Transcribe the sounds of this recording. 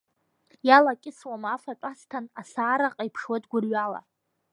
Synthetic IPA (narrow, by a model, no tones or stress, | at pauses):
jalakʲʼɪswamafaʈ͡ʂʼastʰanasaːɾaqʼaipʰʂwadɡʷʊrɥala̰